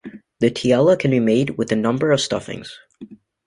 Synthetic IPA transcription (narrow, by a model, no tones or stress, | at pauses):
ðɨtʰiɛlˠəkʰɨ̃n̩bimeɪd̚wɪðɨnʌ̃mbə˞ʌv̥stʌ̰fɪ̰̃ŋz̥